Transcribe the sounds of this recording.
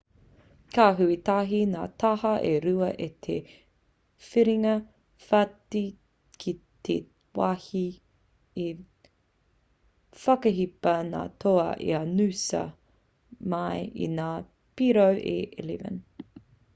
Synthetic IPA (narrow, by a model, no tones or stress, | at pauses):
kaːɦuit̪aɦina̰ːt̪ʰɐhɐʔeɾuɐʔet̪ʰe | fiɾiŋɐ | fati | kʰit̪ʰe | wahi | i | fɐkɐɦipɐna̰ːtʰoɐʔḭɐnʉsɐ̰ | mɐjḭnaː | piɾowʔḛʔlḭvə̰n